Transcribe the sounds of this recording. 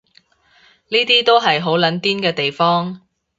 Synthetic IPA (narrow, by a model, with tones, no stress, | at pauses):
niː˥t̪iː˥t̪o˥wɦɐ˨jɦo˨˥wlɐ˨˥nt̪iː˥nkɛː˧t̪e˨jfɔː˥ŋ